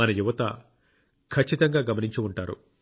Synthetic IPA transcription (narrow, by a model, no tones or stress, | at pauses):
ɐnɐjuʋɐt̪ɐ̰ | kʰɐt͡ʃːit̪ɐŋɡaːɡɐmɐniɲt͡ʃuuɳʈaːɾṵ